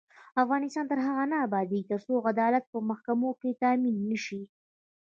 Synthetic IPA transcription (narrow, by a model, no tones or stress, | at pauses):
afɣɑnɪst̪ɑnt̪əɾɦaɣanaːbɑd̪it̪əɾsoɣad̪ɑlat̪̚pəmahkamoket̪aminːəʃi